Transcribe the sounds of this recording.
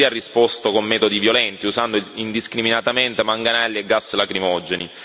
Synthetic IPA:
iarːispost̪okomːɛːt̪od̪ivjolɛnt̪iusand̪oind̪iskɾiminat̪ament̪emaŋɡanaɛlːieɡasːelakɾimɔd͡ʒeni

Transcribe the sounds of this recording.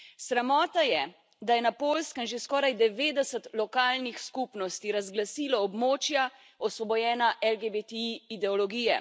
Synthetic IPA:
sɾɛmɔːt̪ajɛ | d̪ajɛnapoːlskəmʒeskɔːɾajd̪ɛʋeːd̪ɛsət̪lɔkaːlnixskupnɔst̪iɾazɡlasiːlɔɔbmoːt͡ʃja | ɔsʋɔbɔjɛːnaʔɛlɡebet̪ɛiid̪ɛɔlɔɡiːjɛ̰

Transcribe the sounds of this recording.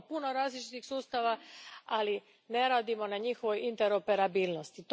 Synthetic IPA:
puno̞ɾaːzlit͡ʃit̪ixsuːst̪aʋaali | ne̞ɾaːd̪imo̞naɲixoʋo̞jint̪eɾo̞pe̞ɾabiːlno̞st̪it̪

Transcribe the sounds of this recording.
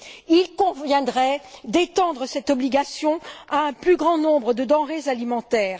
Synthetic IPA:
ilkɔ̃vjɛ̃d̪ʁɛd̪et̪ɑ̃d̪ʁəsɛt̪ɔbliɡasjɔ̃aɛ̃plyɡʁɑ̃nɔ̃bʁəd̪əd̪ɑ̃ʁezalimɑ̃t̪ɛːʁ

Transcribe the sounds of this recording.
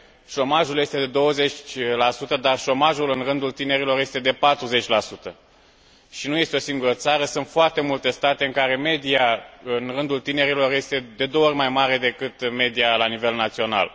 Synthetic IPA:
ʃo̞maʒulje̞st̪e̞d̪e̞d̪o̞wəze̞t͡ʃʲlasut̪əd̪arʃo̞maʒulɨnrɨnd̪ult̪ine̞ɾilo̞rje̞st̪e̞d̪e̞pat̪ɾuze̞t͡ʃʲlasut̪ə | ʃinujest̪eosiŋɡuɾət̪saɾəsɨnt̪foart̪e̞mult̪e̞st̪at̪eɨŋkaɾe̞me̞d̪iaɨnrɨnd̪ult̪ine̞ɾilo̞rje̞st̪e̞d̪e̞d̪oorʲmajmaɾe̞d̪e̞kɨt̪me̞d̪ijalanive̞lnat̪sio̞na̰l

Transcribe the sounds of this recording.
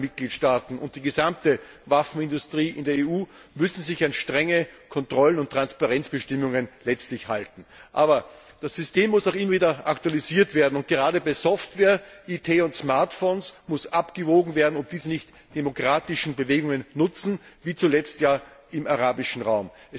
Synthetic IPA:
mɪt̚ɡ̥liːtʃtaːtn̩ʔʊ̰nt̚d̥iːɡəzamtə | vafn̩ɪ̃ndʊstʁ̥iːʔɪ̰ndeːɐeːuːmʏsn̩zɪçanʃtʁ̥ɛŋəkʰɔntʁ̥ɔlənʊntːʁ̥anspaʁɛnt͡sb̥əʃtɪmʊŋənlɛt͡stlɪçhaltn̩ʔa̰ːbɐ | d̥asːʏsteːmːʊsaʊχɪmːɐviːdɐʔaktualiziːɐtv̥eːɐdn̩ʊnt̚ɡ̥əʁaːdəbaɪzɔftvɛːɐʔitʰeːʊntsmaɐtfoːnsmʊsʔapɡ̥əvoːɡŋ̩veːɐdn̩ɔpd̥iːzənɪçt | d̥emokʁ̥aːtɪʃn̩bəveːɡʊŋənːʊt͡sn̩viːt͡sulɛt͡stjaːʔɪmaʁaːbɪʃn̩ʁaʊmʔɛ

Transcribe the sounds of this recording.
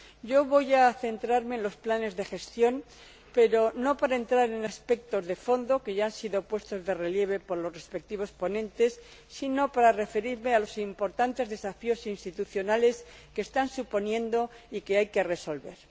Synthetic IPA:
ɟ͡ʝo̞βo̞jaθe̞nt̪ɾaɾmeːnlo̞splane̞zðe̞xe̞st̪jo̞n | pe̞ɾo̞no̞paɾaent̪ɾaɾe̞naspe̞k̚t̪o̞zðe̞fo̞nd̪o̞ke̞ʝaansiðo̞pwe̞st̪o̞zðe̞re̞lje̞β̞e̞po̞ɾlo̞sre̞spe̞k̚t̪iβ̞o̞spo̞nẽ̞nt̪e̞sː | ino̞paɾare̞fe̞ɾiɾme̞alo̞simpo̞ɾt̪ant̪e̞zðe̞safio̞sinst̪it̪uθjo̞nale̞skeːst̪ansupo̞njẽ̞nd̪o̞ | ike̞ajke̞re̞so̞lβe̞ɾ

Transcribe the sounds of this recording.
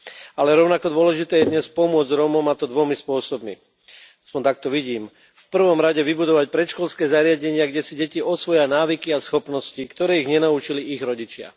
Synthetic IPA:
alɛɾɔʊnakɔd̪ʊɔlɛʒit̪ɛːjɛd̪ɲɛspɔmʊɔd͡zɾɔmɔmat̪ɔd̪ʋɔmispʊɔsɔbmḭ | aspɔnt̪akt̪ɔʋiɟiːm | fpr̩ʋɔmɾaɟɛʋibud̪ɔʋacpɾɛt̪ʃkɔlskɛːzaɾɪaɟɛɲɪaɡɟɛsiɟɛciɔsʋɔjanaːʋikiasxɔpnɔscikt̪ɔɾɛːiɣɲɛnaut͡ʃiliʔiɣɾɔɟit͡ʃɪa̰

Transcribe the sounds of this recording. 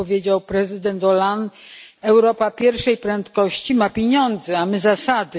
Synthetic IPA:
ɔvʲjed͡ʑawpɾɛzɘd̪ɛnt̪ɔlanɛwɾɔpapʲjɛɾfʂɛjpɾɛnt̪kɔɕt͡ɕimapʲjeɲɔnd̪zɛamɘzasad̪ɘ

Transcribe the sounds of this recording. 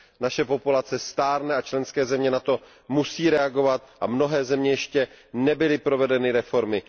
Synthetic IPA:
naʃɛpo̞pulat͡sɛst̪aːɾnɛat͡ʃlɛnskɛːzɛmɲɛnat̪o̞ | musiːɾɛaɡo̞vat̪̚ʔamno̞ɦɛːzɛmɲɛjɛʃcɛnɛbɪlɪpɾo̞vɛdɛnɪɾɛfo̞ɾmɪ

